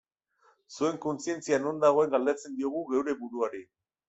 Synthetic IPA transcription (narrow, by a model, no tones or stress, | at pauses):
sue̞ŋko̞nsie̞nt͡siano̞nd̪aɣ̞o̞e̞ŋɡald̪et͡se̞nd̪io̞ɣ̞uɣe̞wɾe̞buɾuaɾi